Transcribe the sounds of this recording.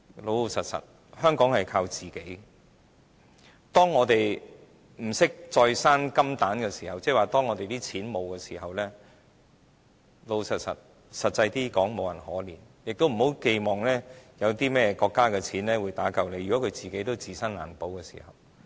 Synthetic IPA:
lo˨˧wo˧sɐ˨t̚sɐ̰˨˩t̚ | hœː˥ŋkɔː˨˥ŋhɐ˨jkʰaː˧wt͡siː˨ke˨˥j | t̪ɔː˥ŋːɔː˨˧t̪e˨j | m̩˨˩sɪ˥k̚t͡ʃt͡sɔː˧jsaː˥nkɐ˥mt̪aː˨˥nkɛː˧siː˨˩hɐ˨wt͡sɛː˥˩waː˨˩t̪ɔː˥ŋɔː˨˧t̪e˨jt̪iː˥t͡sʰiː˨˥nmo˨˧wkɛː˧sḭː˨˩ɦɐ˨wlɛː˥ | lo˨˧wsɐ˨t̚sɐ̰˨t̚ | sɐ˨t̚t͡sɐ˧jt̪iː˥kɔː˨˥ŋmo˨˧wjɐ˨˩nhɔː˨˥liː˨˩n | jɪ˨k̚t̪o˥wm̩˨˩ho˨˥wke˧jmɔː˨˩ŋlɛː˥jɐ˨˧wt̪iː˥mɛː˥jɛ˧kɔː˧kːaː˥kɛː˧t͡sʰiː˨˥nlɛː˥wuː˨˧jt̪aː˨˥kɐ˨wle˨˧jy˨kɔ˨˥kʰɵ˨˧ɥt͡siː˨ke˨˥jt̪o˥wt͡siː˨˩sɐ˥nla̰ː˨˩npo˨˥wkɛː˧sḭ˨˩hɐ̰˨˩w

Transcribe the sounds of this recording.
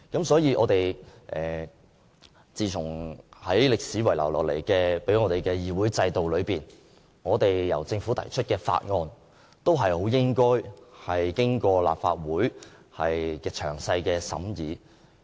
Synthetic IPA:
kɐ˨˥msɔː˨˥jiː˧ʔɔː˨˧t̪e˨jʔɛː˨˩ | t͡siː˨t͡sʰʊ˨˩ŋhɐ˨˥jlɪ˨k̚siː˨˥wɐ˨˩jla̰˨˩wlɔː˨˩lḛ˨˩jkɛː˧pe˨˥jŋɔː˧t̪e˨jkɛː˧jiː˨wuː˨˥jt͡sɐ˧jt̪o˨wlɵ˨˧ɥpiː˨n | ŋɔː˨˧t̪e˨jjɐ̰˨˩wt͡sɪ˧ŋfuː˨˥t̪ʰɐ̰˨˩jt͡ʃʰɵ˥t̚kɛː˧fa̰ː˧t̚ŋɔː˧n | t̪o˥wɦɐ˨jho˨˥wjɪ˥ŋkɔː˥jhɐ˨jkɪ˥ŋkɔː˧la̰ː˨p̚fa̰ː˧t̚wuː˨˥jhɐ˨jkɛː˧t͡ʃʰœː˨˩ŋsɐ˧jkɛː˧sɐ̰˨˥mjiː˨˧

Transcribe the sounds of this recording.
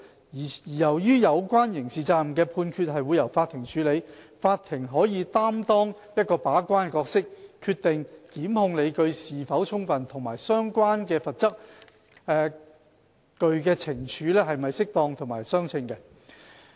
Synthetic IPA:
iː˨˩jɐ˨˩wjyː˥jɐ˨˧wkʷaː˥njɪ˨˩ŋsiː˨t͡saː˧˩m˨kɛː˧pʰuː˧nkʰyː˧t̚ɦɐ˨jwu˨˧jɐ˨˩wfaː˧t̪ʰːɪ˨˩ŋt͡ʃʰyː˨˧le˨˧j | faː˧t̪ʰɪ˨˩ŋɦɔː˨˥jiː˨˧t̪aː˥mt̪ɔː˥ŋ | jɐ˥t̚kɔː˧paː˨˥kʷaː˥n˧kɔː˧k̚sɪ˥k̚ʰːyː˧t̪ːɪ˨ŋt̪iː˨˥mhʊ˧ŋle˨˧jkɵ˧ɥsiː˨fɐ˨˥wt͡ʃʰʊ˥ŋfɐ˨nt̪ʰʊ˨˩ŋma̰ː˨˩jsœː˥ŋkʷwaː˥nkɛː˧fɐ˨t̚t͡sɐ˥k̚ | ɛː˨ | kɵ˧ɥkɛː˧t͡sʰɪ˨˩ŋt͡ʃʰyː˨˥lɛː˥hɐ˨jmɐ˨jsɪ˥k̚t̪ɔː˧ŋt̪ʰʊ˨˩ŋma̰ː˨˩jsœː˥ŋt͡sʰɪ˧ŋkɛ˧

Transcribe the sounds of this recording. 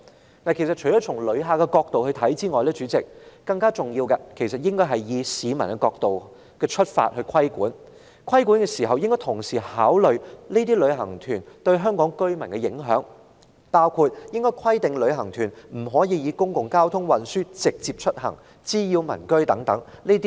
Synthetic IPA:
naː˨˩kʰe˨˩sɐ˨t̚t͡ʃʰɵ˨˩jɔː˨˥t͡ʃʰʊ˨˩ŋlɵ˨˧ɥɦaː˨˧kɛ˧kɔː˧k̚t̪o˨whɵ˧ɥt̪ʰɐ˨˥jt͡siː˥ŋɔː˨˩jlɛː˥t͡ʃyː˨˥t͡sɪ˨k̚kɐ˧ŋkaː˥t͡sʊ˨ŋjiː˧wkɛ˧kʰe˨˩jsɐ˨t̚jɪ˥ŋkɔː˥jɦɐ˨jjiː˨˧siː˨˧mɐ˨˩nkɛ˧kɔː˧k̚t̪o˨w | kɛː˧t͡ʃʰɵ˥t̚fa̰ː˧t̚hɵ˧ɥkʰɐ˥jkuː˨˥n | kʰɐ˥jkuː˨˥nkɛː˧siː˨˩ɦɐ˨wjɪ˥ŋkɔː˥t̪ʰʊ˨˩ŋsiː˨˩haː˨˥wlɵ˨ɥne˥t̪̬iː˥lɵ˨˧ɥɦɐ˨˩ŋt̪ʰyː˨˩nt̪ɵ˧ɥɦœː˥ŋkɔː˨˥ŋkɵ˥ɥmɐ˨˩nkɛ˧jɪ̰˨˥ŋɦœ̰ː˨˥ŋ | paː˥wkʰuː˧t̚jɪ˥ŋkɔː˥jkʰɐ˥jt̪ɪ˨ŋlɵ˨˧ɥɦɐ˨˩ŋt̪ʰyː˨˩nm̩˨˩ɦɔː˨˥jiː˧jiː˨˧kʊ˥ŋkʊ˨ŋkaː˥wt̪ʰʊ˥ŋwɐ˨˩nsyː˥t͡sɪ˨k̚t͡siː˧p̚t͡ʃʰɵ˥t̚hɐ̰˨˩ŋ | t͡siː˥jiː˧wmɐ̰˨˩nkɵ˥ɥt̪ɐ˨˥ŋt̪ɐ̰˨˥ŋleː˥t̪i˥

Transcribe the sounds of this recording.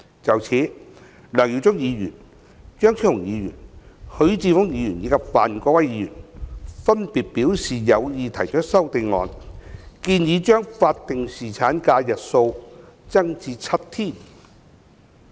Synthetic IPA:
t͡sɐ˨wt͡sʰiː˨˥ | lœː˨˩ŋji˨˧wt͡sʊ˥ŋjiː˨˧jy̰ː˨˩n | t͡ʃœː˥ŋt͡sʰi˥hʊ˨˩ŋjiː˨˧jy̰ː˨˩nhɵ˨˥ɥt͡siː˧fʊ˥ŋjiː˨˧˥jyː˨˩njiː˨˧kɐ˨˩p̚faː˨nkɔ˧kwɐ˥jiː˨˧˥jy̰ː˨˩nfɐ˥npiː˨t̚pi˨˥wsiː˨jɐ˨˧wjiː˨˧t̪ʰɐ˨˩jt͡ʃœ˥sɐ˥wt̪e˨˧jŋɔ̰ː˨˧nkiː˧njiː˨˧˥t͡ʃœː˥ŋfaː˧t̚t̪ɪ˨ŋsiː˨˩t͡sʰaː˨˥nkaː˧jɐ˨t̚so˧w | t͡sɐ˥ŋt͡siː˧t͡sʰɐ˥t̚t̪ʰiː˥˩n

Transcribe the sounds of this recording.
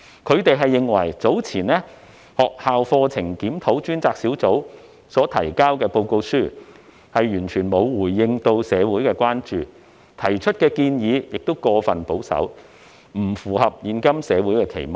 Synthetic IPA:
kʰɵ˨˧ɥt̪e˨jɦɐ˨jːɪ˨ŋwɐ˨˩jt͡so˨˥wt͡sʰiː˨˩nɛː˥ | hɔː˨k̚haː˨wfɔː˧t͡sʰɪ˨˩ŋkiː˨˥mt̪ʰo˨˥wt͡ʃyː˥nt͡saː˧k̚siː˨˥wt͡so˨˥w | sɔː˨˥t̪ʰɐ˨˩jkaː˥wkɛː˧po˧wko˧wsyː˥ | hɐ˨jjyː˨˩nt͡ʃʰyː˨˩nmo˨˧wwuː˨˩jːɪ˧ŋt̪o˧wsɛː˨˧wuː˨˥jkɛː˧kʷaː˥nt͡ʃyː˨˩ | t̪ʰɐ˨˩jt͡ʃʰɵ˥t̚kɛː˧kiː˧njiː˨˧jɪ˨k̚t̪o˥wkɔː˧fɐ˨npo˨˥wsɐ̰˨˥w | m̩˨˩fuː˨˩hɐ˨p̚jiː˨˧nkɐ˥msɛː˨˧wuː˨˥jkɛː˧kʰḛ˨˩jm˨

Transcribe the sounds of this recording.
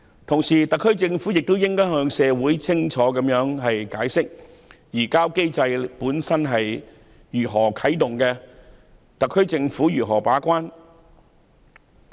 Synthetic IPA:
t̪ʰʊ˨˩ŋsiː˨˩t̪ɐ˨kʰːɵ˥ɥt͡sɪ˧ŋfuː˨˥jɪ˨k̚t̪o˥wjɪ˥ŋkɔː˥jhœː˧ŋsɛː˨˧wuː˨˥jt͡sʰɪ˥ŋt͡ʃʰɔː˨˥kɐ˨˥mjœː˨˥ŋɦɐ˨jkaː˨˥jsɪ˥k̚ | jiː˨˩kaː˥wke˥jt͡sɐ˧jpuː˨˥nsɐ˥nɦɐ˨j | jyː˨˩ɦɔː˨˩kʰɐ˨˥jt̪ʊ˨ŋkɛː˧ | t̪ɐ˨kʰːɵ˥ɥt͡sɪ˧ŋfuː˨˥jyː˨˩ɦɔː˨˩paː˨˥kʷaː˥n

